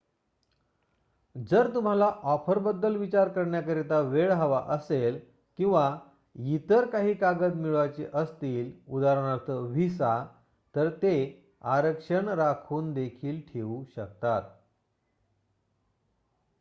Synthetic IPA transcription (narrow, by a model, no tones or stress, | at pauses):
d͡zəɾt̪um̤alaʔɔpʰəɾbəd̪ːəlʋit͡ɕaɾkəɾɳjakəɾet̪aʋeɭɦaʋaʔəsel | kĩw̃ʋa | jit̪əɾkaɦiːkaɡəd̪miɭʋat͡ɕeʔəst̪iːlud̪aɾəɳ̃aɾt̪ʰəʋ̤isa | t̪əɾt̪e | aɾəkʂəɳɾakʰuːnd̪ekʰiːlʈʰeuːɕək̚t̪at̪